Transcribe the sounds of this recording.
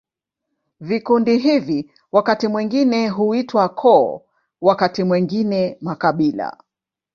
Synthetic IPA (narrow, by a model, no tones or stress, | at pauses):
vikundiɦivi | wakatimwiŋɡinɛɦuitwakʰɔ̰ː | wakatimwiŋɡinɛmakaɓila̰